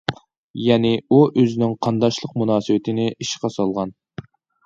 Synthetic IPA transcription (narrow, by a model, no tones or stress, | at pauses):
jɛːnɪuʔøzɪnɪŋqʰɑnd̪ɑʃlˠəq̚munɑːsɨwɪt̪ʰɪnɪʔiʃqɑsɑlˠʁɑn